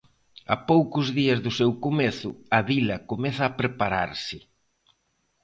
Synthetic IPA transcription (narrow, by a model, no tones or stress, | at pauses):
a̰powkʊzðiɐzðʊsewkomeθʊɐβilɐkomɛθɐːpɾepaɾa̰ɾsɪ